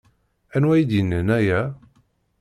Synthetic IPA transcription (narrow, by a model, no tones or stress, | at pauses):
ænwæjid̪jənːənæjæ